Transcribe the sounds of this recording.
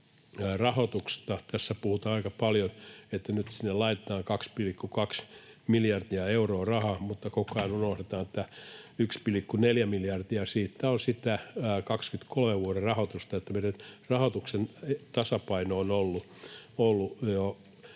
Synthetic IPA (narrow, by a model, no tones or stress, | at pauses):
rɑhot̪ukst̪ɑt̪æsːæpuhut̪ɑːɑikɑpɑljonet̪ːænyt̪sinːellɑit̪et̪ɑːŋkɑkspilikːukɑks | miljɑrd̪̥iɑeuroːrɑhɑmut̪ːɑkokɑinunohtet̪ɑːnet̪ːæykspilikːuneljæmiljɑrd̪̥iɑsiːt̪ːæonsit̪ækɑkskyt̪kolmeʋʋuoɾerɑhot̪ust̪ɑet̪ːæmeiɾænrɑhot̪uksent̪ɑsɑpɑinoonolːu | olːujo